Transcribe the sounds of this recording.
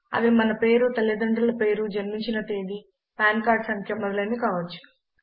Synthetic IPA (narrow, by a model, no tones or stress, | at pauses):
ɐ̰ʋimɐnɐpe̞ːɾut̪ɐlɐd̪ɐɳʈɐlɐpe̞ːɾud͡ʒɐɾmiɲt͡ʃinɐt̪eːd̪i | paːnkaːɾɖsɐŋkʰjɐmɔd̪ɐlɐːnikaːʋɐt͡ʃːu̥